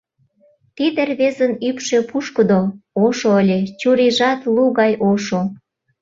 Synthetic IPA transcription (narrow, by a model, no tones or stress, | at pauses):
t̪id̪erβezənypʃe̽puʃkəd̪ooʃoəlʲet͡ɕuɾiʒɑt̪luɣɑjʔoʃo